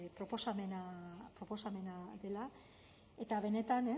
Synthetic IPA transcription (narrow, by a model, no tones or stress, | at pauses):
pɾo̞po̞samenapɾo̞po̞same̞naðe̞la | e̞t̪aβ̞e̞ne̞t̪ane